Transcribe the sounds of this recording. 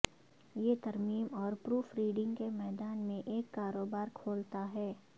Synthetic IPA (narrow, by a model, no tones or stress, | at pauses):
jet̪ɐɾmiːmɔːɾpɾuːfɾiːɖɪ̃ŋɡkemɛːd̪aːnmẽʔeːkːaːɾoːbaːɾkʰoːlt̪aɦɛː